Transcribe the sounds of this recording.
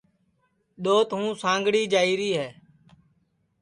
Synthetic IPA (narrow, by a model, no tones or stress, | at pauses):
ɗoːt̪ɦũːsãːŋɡɽiːd͡ʒaːiːɾiːɦɛː